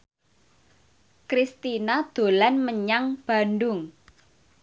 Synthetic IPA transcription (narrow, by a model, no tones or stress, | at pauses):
kɾist̪inad̪̥o̤lanməɲaŋb̥a̤ndʊŋ